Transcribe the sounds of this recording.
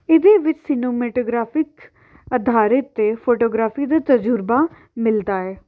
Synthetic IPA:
ɪd̪eːʋɪt͡ʃsɪnoːmeːʈoːɡɾaːpʰɪk | əd̪ʱaːɾɪt̪ːeːpʰoːʈoːɡɾaːpʰiːd̪aːt̪əd͡ʒʊɾbaː | mɪld̪aːɛː

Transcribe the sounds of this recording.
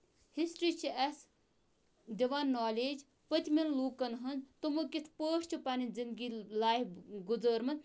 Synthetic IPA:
hisʈɾiːt͡ʃʰiɐs | d̪iʋaːnːaːleːd͡ʒ | pət̪ʲminluːkɐnɦɐnzt̪umɨkit̪ʰpəːʂʰt͡ʃʰipanind͡zind̪ɡilaːjɡud͡zəːɾmɐn

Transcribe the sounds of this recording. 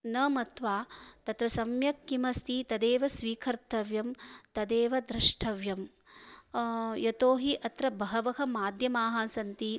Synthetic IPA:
nɐmɐt̪ʋaːt̪ɐt̪ɾɐsɐmjɐkːimɐst̪it̪ɐd̪eːʋɐsʋiːkʰɐɾt̪ɐʋjɐmt̪ɐd̪eːʋɐd̪ɾiʂʈʰɐʋjɐm | jɐt̪oːɦiʔɐt̪ɾɐbɐɦɐʋɐɦɐmaːd̪ʱjɐmaːɦɐsɐnt̪i

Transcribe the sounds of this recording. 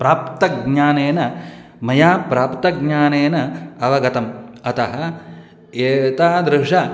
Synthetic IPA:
pɾaːpt̪ɐɡɲaːneːnɐ | mɐjaːpɾaːpt̪ɐɡɲaːneːnɐɐʋɐɡɐt̪ɐmɐt̪ɐɦɐ̆ | eːt̪aːd̪ɾɪʂɐ

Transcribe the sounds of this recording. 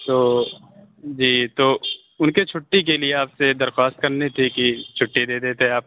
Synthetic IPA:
t̪oː | d͡ʒiːt̪oː | ʊnket͡ʃʰʊʈːik̬elieaːpsed̪ɐɾxwaːst̪̚kɐɾnet̪ʰikit͡ʃʰʊʈːid̪eːd̪eːt̪eɦɛ̃aːp̚

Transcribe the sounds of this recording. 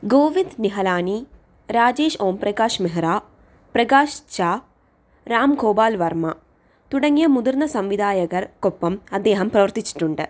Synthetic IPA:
ɡoːʋind̪niɦɐlaːni | ɾaːd͡ʑe̞ːʂoːmprɐɡaːʂmeɦɐɾaː | prɐɡaːɕt͡ɕaː | ɾaːmɡʰʱoːbaːlʋɐrmɐ̰ | t̪uɽɐŋːijɐmud̪urnɐsɐmʋid̪ʱaːjɐɣɐrkopːɐmɐd̪ːeːɦɐmprɐʋɐrt̪it͡ɕːi̥ʈːuɳɖɨ

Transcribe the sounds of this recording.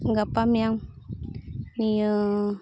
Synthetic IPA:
ŋɡapamiaŋ | niə

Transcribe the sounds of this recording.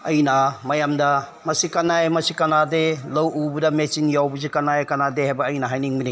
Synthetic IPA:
ɐjnamɐjamdɐ | mɐsikɐnajmɐsikɐnadelɐwubudɐmesinjawbuzikɐnajkɐnadehajbɐːjnɐɦajniŋmini

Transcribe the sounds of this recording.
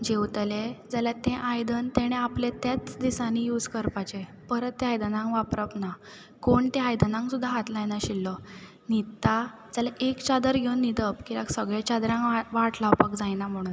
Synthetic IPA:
d͡ʑewt̪led͡zalat̪ẽʔajd̪ənt̪eɽ̃ẽaplet̪jat͡sd̪isanijuːd͡zkəɾpat͡ɕe | pəɾət̪ːeɦajd̪ənãŋkʋapɾəpna | koɳt̪ẽajd̪ənãŋksud̪ʱːaɦat̪lajnaɕilːɔ | nit̪ːa | d͡zalaʔekt͡ɕad̪əɾɡʱewnːid̪əpkilaksəɡɭẽt͡ɕad̪ɾãŋkʋaʈʰlawpakd͡zajnam̤əɽ̃uːn

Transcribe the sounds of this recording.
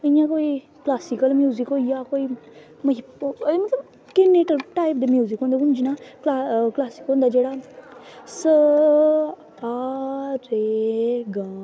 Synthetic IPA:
ijãkoːi | klaːsikəlmjuːzikoːjakoːi | mɐɦimɐt̪ləb | kenːeʈəlʈaːip̚d̪emjuːzikɦõːnd̪ɡũnd͡ʒinaːklaklaːsi̥kɦõːnd̪aːd͡ʒeːɽa | sə | aɾeɡãː

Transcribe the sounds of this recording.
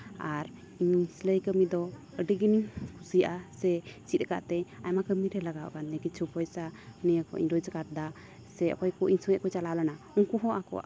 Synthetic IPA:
aɾ | iɲsləjkəmid̪ɔ | əɖiɡiniŋkʰusijʔasɛt͡ʃit̪̚kaʔt̪ɛajmakəmiɾɛlaɡawʔkanɛkit͡ʃʰupɔjsanijəkɔ̰ʔḭɲɾɔd͡ʒkaɾd̪a | sɛɔ̰kɔjkɔʔiɲsɔjɛʔkɔt͡ʃalawlana | uŋkuɦɔʔakɔ̰ʔa

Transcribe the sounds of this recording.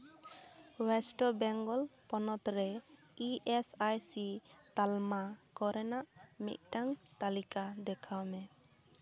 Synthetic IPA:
wɛsʈɔbɛŋɡɔlpɔnɔt̪ɾɛ | iʔɛsajsit̪almakɔɾɛnaʔmḭt̪̚ˀʈaŋt̪alikad̪ɛkʰawmɛ

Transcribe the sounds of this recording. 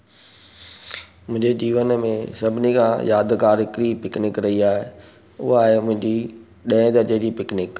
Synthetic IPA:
mʊ̃ɦɪ̃ɲd͡ʑed͡ʑiːʋənmẽsɐbʱɪnikʰãjaːd̪kaːɾɦɪkɾipɪknɪkɾɐɦiaːɦe | ʊɦaaːɦemʊ̃ɦɪ̃ɲd͡ʑi | ɗɐ̃ɪ̃d̪ɐɾt̪ed͡ʑiːpɪknɪk

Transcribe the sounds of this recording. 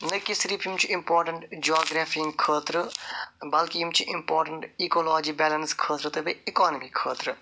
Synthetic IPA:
nɐkɪsɾipʰimt͡ʃuɪ̃mpɔːɾʈə̃ɳʈd͡ʒaːɡɾaːfiɪ̃ŋɡkʰəːt̪ɾ | bɐlkiimt͡ʃiʔɪ̃mpɔːɾʈə̃ɳʈikoːlɔːd͡ʒiːbɛːlɐnskʰəːt̪ɾt̪ɐbiɪkɔːnəmikʰəːt̪ɾ

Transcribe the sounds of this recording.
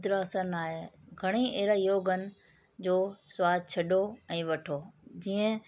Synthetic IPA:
d̪ɾaːsənaːɦe | ɡʱɐɽ̃ieɦɾajoːɡʱənɪ̆ | d͡ʑoːswaːd̪ʱt͡ɕʰɐɗoɛ̃ːʋɐʈʰoːd͡ʑiːə̃

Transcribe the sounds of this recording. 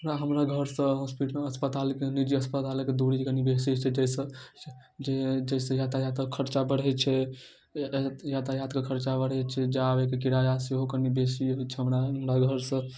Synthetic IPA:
ɾaɦəmɾaɡʱəɾsə̃ɦospiʈmeəspət̪alikenid͡ʒiəspət̪aleked̪uɽikənibesit͡ʃʰɛd͡ʒɛjsə̃ | d͡ʒed͡ʒəɪsə̃jat̪ajat̪əkʰəɾt͡ʃabəɽ̤ɛt͡ʃʰɛ | jat̪ajat̪kekʰəɾt͡ʃabəɽ̤ɛt͡ʃʰɛd͡ʒabekekiɾajasiɦokənibesiɦot͡ʃʰɛɦəmɾaɦəmɾaɡʱəɾsə̃

